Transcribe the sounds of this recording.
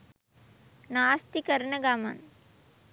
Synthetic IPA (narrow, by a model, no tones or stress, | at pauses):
naːst̪ikɐɾɳɐɡaːma̰n